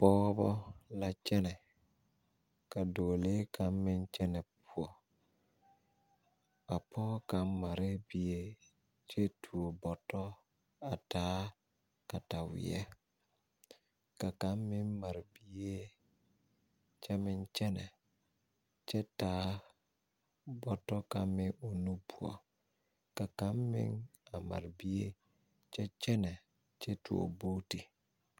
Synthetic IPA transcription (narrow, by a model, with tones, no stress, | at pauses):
pɔː˦bɔ˦la˦t͡ʃɛ˦nɛ˨ | ka˨doː˨le˦kʰa˨mːɪ˦nt͡ʃɛ˦nɛ˨pu˦ɔ˨ | a˨pʰɔː˦ka˨˦mma˨ɾɪ˦bi˨e˦ | t͡ʃe˦tʰu˨o˨bɔ˨tɔ˦ | a˨taː˦ | ka˨ta˨wɪ̰˨ɛ̰˦ | ka˨ka˨˦mː˦ɪ˦mma˨ɾbi˦e˦ | t͡ʃɛ˦mɪ˦nt͡ʃɛ˦nɛ˨ | t͡ʃɛ˦taː˨˦ | bɔ˨tɔ˦ka˨mɪ˦o˨nu˦pu˨ɔ̰˨ | ka˨ka˨˦mːɪ̰˦ŋa˨ma̰˨ɾɪ˨bi˦e˦ | t͡ʃɛ˦t͡ʃɛ˦nɛ˨ | t͡ʃɛ˦tu˨o̰˨boː˦ti˨